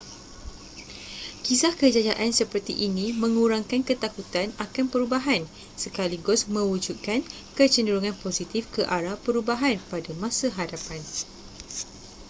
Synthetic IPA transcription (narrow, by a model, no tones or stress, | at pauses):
kisahkəd͡ʒad͡ʒaʔansəpərt̪iʔinĩmə̃ŋuɾaŋkankət̪akut̪anakanpəɾubaɦan | səkaliɡʊsmə̃wud͡ʒut̪̚kan | kət͡ʃəndəɾuŋãnposit̪ifkəʔaɾapəɾubaɦanpadamãsaɦadapan